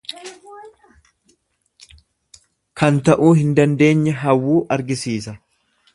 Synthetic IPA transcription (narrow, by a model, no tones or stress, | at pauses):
kʰɐnt̪ɐʔuːhɪnd̪ɐnd̪e̞ːɲːɛɦɐwːuːʔɐɾɡɪsiːsɐ